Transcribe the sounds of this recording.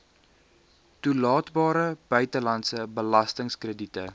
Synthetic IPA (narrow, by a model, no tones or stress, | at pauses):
tulɑːtbɑːɾəb̥œɥtəlɐntsəbəlɐstəŋskrəditə